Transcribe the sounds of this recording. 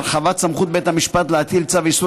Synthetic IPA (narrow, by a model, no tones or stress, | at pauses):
χavat̪samχut̪̚be̞t̪hamiʃpat̪leat̪ilt͡savisu